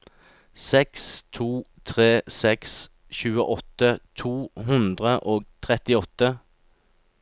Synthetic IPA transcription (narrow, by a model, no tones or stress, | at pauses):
sɛkst̪ʰuːt̪ʰʁeːsɛks | çʉːəʔɔt̪ət̪ʰuːɦʉnd̪ʁəʔoːɡ̚t̪ʰʁɛt̪ɪɔt̪ə